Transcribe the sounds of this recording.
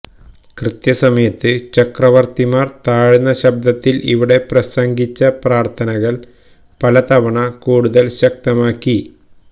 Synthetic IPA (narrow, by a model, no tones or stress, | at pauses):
krɨt̪jɐsɐmɐjɐt̪ːɨt͡ɕɐkrɐʋɐrt̪imaːrt̪aːɻunːɐɕɐb̚d̪ɐt̪ːiliʋiɽe̞prɐsɐŋɡit͡ɕːɐpraːrt̪ʰɐnɐɣɐɭ | pɐlɐt̪ɐʋɐɳɐkuːɽuðɐlɕɐk̚t̪ɐmaːkːi